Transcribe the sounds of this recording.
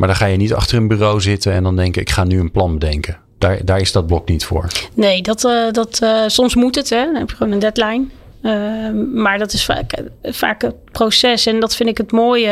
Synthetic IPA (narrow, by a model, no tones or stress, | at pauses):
maːɹdɑ̃χaːjənitɑ̰χtərənbyːrowzɪtənɛndɑndɛŋkjəɪkχaːnyənplɑnbədɛŋkə | d̥aːɹdaːɹɪzdɑd̚blɔknitfʊ̰ːɹnejdɔtdɑtsɔmsmutətɛɔnɦɛpjəχəʋoːnəndɛtlɛjn | əmaːɹdɔtɪsfa̰kfa̰ːkəprowsɛsɛndɑtfɪndɪkətmoːjə